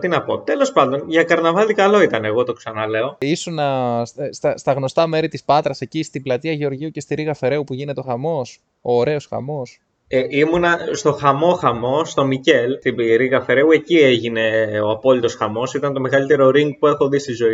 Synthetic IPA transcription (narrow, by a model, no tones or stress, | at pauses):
t̪inɐpo̞t̪e̞lo̞spɐnd̪o̞nʝɐkɐɾnɐvɐlikɐlo̞it̪ɐneɣo̞t̪o̞ksɐnɐle̞o̞isunɐsst̪ɐst̪ɐɣno̞st̪ɐme̞ɾit̪ispɐt̪ɾɐse̞cist̪iblɐt̪iɐʝeo̞ɾʝiuce̞st̪iɾiɣɐfe̞ɾe̞upuʝine̞t̪eo̞xɐmo̞s | oːɾe̞o̞sxɐ̰mo̞s | eimunɐst̪o̞xɐmo̞xɐmo̞st̪o̞mice̞lt̪ibiɾiɣɐfe̞ɾe̞ue̞cieʝine̞o̞ɐpo̞lit̪o̞sxɐmo̞sit̪ɐnt̪o̞meɣɐlit̪e̞ɾo̞ɾiŋɡ̚pue̞xo̞ðist̪izo̞i